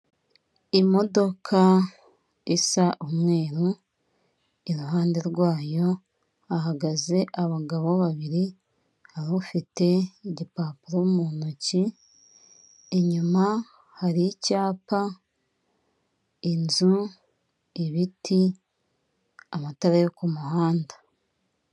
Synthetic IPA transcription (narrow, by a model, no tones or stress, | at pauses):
imo̞do̞kʰa | isaʔumŋe̞ːɾu | iɾuɦaːnde̞ɾɡwaːjo̞ | aɦaɡaze̞ʔaβaɡaβo̞βaβiɾi | haɾofite̞iɟipaːpuɾomuːnuci | eɲuma | haɾicaːpa | inzu | iβitʰi | amataɾejokumuhaːnda